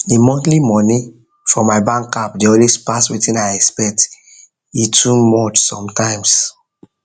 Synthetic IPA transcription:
emɔ̃ntlimɔni | fɹɔ̃maɪbãŋkapdeõnwespaswitĩnaɪɛkspɛk̚t | itʰumɔt͡ʃsɔ̰̃mtãɪ̃ms

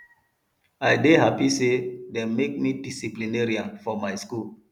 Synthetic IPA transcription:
aɪdeɦapisedɛ̃mmek̚midisiplineɾiafɔmajskul

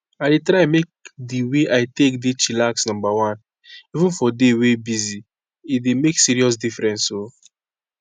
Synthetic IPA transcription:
aɪdetɾamek̚diweʔajtekdit͡ʃilaksnɔ̃mbawãn | ivũnfɔdewebizi | idemeksiɾiɔs̬difɾɛ̃nso

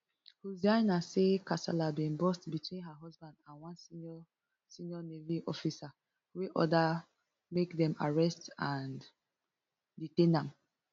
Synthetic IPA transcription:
huzdãɪnasekasa̰labĩnbɔstbitwĩnɦaɦɔzbãndãnwãnsiɔ | sinjɔneviʔɔfisa | weʔɔda | mekdɛ̃ma̰ɹɛstãn | ditẽnãm

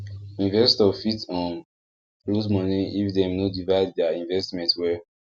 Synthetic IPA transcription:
ũnivɛstɔfitɔ̃n | ɹudmɔ̃niifdɛ̃mnodivaɪd̚dɛaĩnvɛstmɛ̃ntwɛ

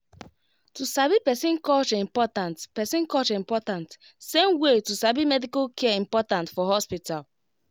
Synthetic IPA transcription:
tusabipɛsĩnkɔt͡ʃĩmpɔtãntpɛsĩnkɔt͡ʃĩmpɔtãnt | sẽmwetusabimɛdikalkʰɛɛĩmpɔtãntfɔhɔspital

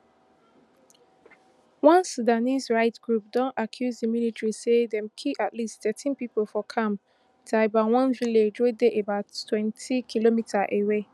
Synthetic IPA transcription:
wɔ̃nsudanisɹaɪtɡ̥ɹup̚dɔ̃nakʰjuzdəmilitɹisedɛ̃mkʰiatlistθɛtʰĩnpipolfɔkʰãm | tʰabawɔ̃nviledɹodeʔebaʊttʰːwɛ̃ntʰikʰilomitʰaʔewe

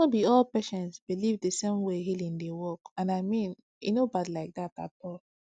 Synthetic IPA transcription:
ɔbiɔlpɛʃɛ̃nsbilivdəsẽmweɦilĩndewɔkãnaɪmĩn | ḭnobadlaɪk̚data̰tɔl

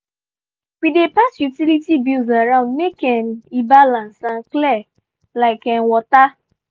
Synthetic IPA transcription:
k͡pidepasjutilitibilzaɾãʊ̃ndmekɛnibalãnsãnklɛ | laɪkɛ̃nwɔta

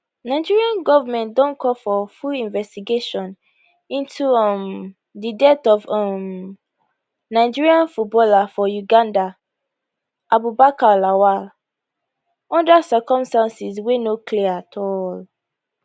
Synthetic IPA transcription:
naɪd͡ʒiɹiãnɡɔvamɛ̃ntdɔ̃nkʰɔfɔfulĩnvɛstiɡeʃɔ̃n | ĩntʰuɔm | didɛtɔvɔm | naɪd͡ʒiɹiãnfut̚bɔlafɔjuɡãnda | ʔabubakalawal | ɔ̃ndasɜkɔ̃mstãnsiswenokliatʰɔl

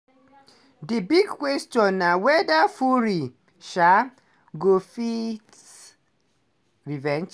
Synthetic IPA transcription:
dibiɡkwɛst͡ʃɔ̃nːawɛdafuɾi | ʃa | ɡofit | ɹivɛ̃nd͡ʒ

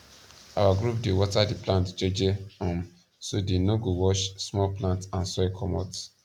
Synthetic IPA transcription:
a̰waɡɾupdewɔtadiplãntd͡ʒed͡ʒeɔ̃m | sodenõɡowɔʃsmɔlplãntãnsɛkʰɔmɔt

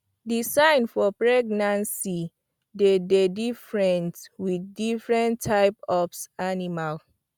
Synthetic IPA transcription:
disãɪnfɔpɹɛɡnãnsi | dededifɹɛ̃ntwiθdifɹɛ̃ntʰːaɪpɔpsanimal

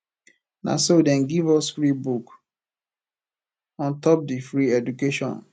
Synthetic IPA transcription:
na̰sodɛ̃nɡivɔsfɹibuk | ɔ̃ntɔp̚difɾiɛdukeʃɔ̰̃n

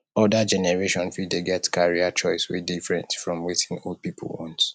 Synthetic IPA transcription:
ɔdad͡ʒɛnɛɹeʃɔ̃nfideɡɛtkʰaɹiat͡ʃɔɪswḛdifɹɛ̰̃ntfɹɔ̃mwitĩnold̚pipʰl̩wɔ̃nt

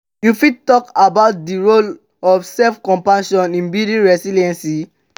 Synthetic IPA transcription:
jufittɔkabaʊt̚diɹol | ɔfsɛlfkɔ̃mpãʃɔ̃nĩnbidĩnɹɛsiliɛ̃nsi

